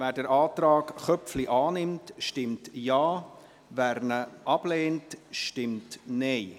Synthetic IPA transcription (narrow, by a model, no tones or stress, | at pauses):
væːdɛɾʔɑːtɾɑːkχœpfliʔɑːnɪmtʃtɪmtjɑː | væɾnəʔɑb̥leːntʃtɪmtneɪ